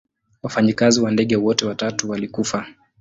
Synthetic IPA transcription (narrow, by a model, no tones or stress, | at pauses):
wafaɲikaziwandɛɠɛwɔtɛwatatuwalikufa